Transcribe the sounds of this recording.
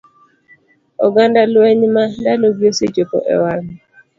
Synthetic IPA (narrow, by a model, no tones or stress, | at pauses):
ɔ̰ɡandalweɲmandaloɡjosed͡ʒopɔ̰ʔɛ̰waŋ